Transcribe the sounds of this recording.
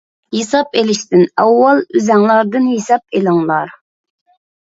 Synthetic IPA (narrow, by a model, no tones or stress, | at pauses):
hesɑp̚elɪʃt̪ɪnɛwːɑlˠyzɛŋlˠɑɾd̪ɨnhesɑp̚elɨŋlˠɑɾ